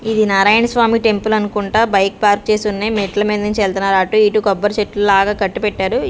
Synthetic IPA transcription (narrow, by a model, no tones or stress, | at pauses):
id̪inɐɾaːjɐɳɐsʋaːmiːʈe̞mpulɐnukuɳʈaːbɐjk̚paːɾk̚t͡ʃe̞ːsunːemeʈlɐmeːd̪ɐɲt͡ʃeːlt̪unːaːɾaːʈːuiːʈukɔbːɐɾt͡ʃeʈːlulaːɡaːkɐʈːupɛʈːaːɾu